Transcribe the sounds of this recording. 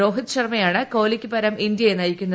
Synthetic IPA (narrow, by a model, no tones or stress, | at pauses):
o̞ːɦit̪ːɨɕɐrmɐjaːɳɨko̞ːlikʲːɨpɐɾɐmind̪jɐjenɐjikʲːunːɐ